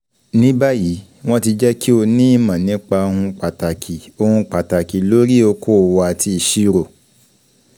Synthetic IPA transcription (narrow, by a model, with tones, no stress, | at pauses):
nĩ˨˦ba˦ji˨˦ | w̃ɔ̃˦ti˧d͡ʒɛ˦kʰi˦o˧nĩ˦i˦˨mã˨nĩ˨˦k͡pa˧o˧hũ˧k͡pa˨ta˨kʰi˨o˧hũ˧k͡pa˨ta˨ki˨lo˨˦ɾi˦o˧kʰo˦˨wa˧a˨tʰi˧˨ʃi˦ɾo˨